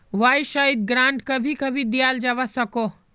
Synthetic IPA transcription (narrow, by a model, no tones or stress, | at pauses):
ʋaːjʃaːid̪̚ɡɾãːɳʈkɐbʱikɐbʱid̪ijaːld͡ʒaʋasɐko